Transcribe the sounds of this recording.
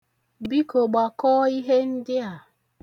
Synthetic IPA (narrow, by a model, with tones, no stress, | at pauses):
bi˦ko˨ɡ͡ba˨kɔː˦i˦ɦe˦n̩˦dɪ˦a˨